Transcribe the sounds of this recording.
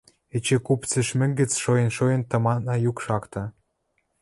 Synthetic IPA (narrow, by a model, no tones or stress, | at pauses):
et͡ɕekupt͡sĕʃmɘ̆ŋɡə̆t͡sʃojə̆nʃojə̆nt̪ɤ̆mɑnɑjukʃɑkt̪ɑ̆